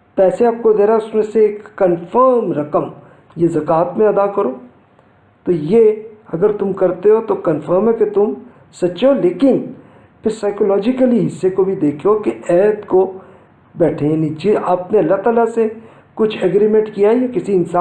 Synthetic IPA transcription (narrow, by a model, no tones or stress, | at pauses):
pɛːseaːp̚kod̪eːɾaʊsmẽseːkːɐnfəɾmɾɐkəm | jezɐkaːt̪mẽɐd̪akɐɾoː | t̪ojeɐɡəɾt̪ʊmkɐɾt̪eɦot̪okɐnfəɾmɦɛket̪ʊm | sɐt͡ʃoleːkɪn | pʰɪɾsaːɪkolɔːd͡ʒɪkəliɦɪsːekobʱid̪eːkʰeokeɛːt̪ko | bɛːʈʰẽjaːnĩd͡ʒeʔaːpneɐlːat̪aːlase | kʊt͡ʃʰɛːɡɾimẽʈkijaɦjakɪsiɪnsaː